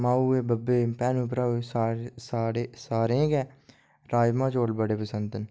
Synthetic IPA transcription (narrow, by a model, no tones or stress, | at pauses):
maːuebəbːeːpɛːnup̬ɾasaːɾsaːɾesaːɾẽkɛ̃ː | ɾaːjmãːt͡ʃoːlbəɽepəsə̃nd̪ən